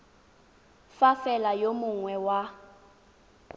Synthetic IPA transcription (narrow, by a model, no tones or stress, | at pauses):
fafɛlajomʊŋwɛwa